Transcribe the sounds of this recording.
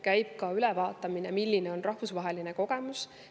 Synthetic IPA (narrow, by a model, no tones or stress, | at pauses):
kæjb̥̚kɑylɛvɑːt̪ːˑɑminemilːineo̞nrɑhvusvɑɦe̞line̞ko̞ɡ̥e̞mus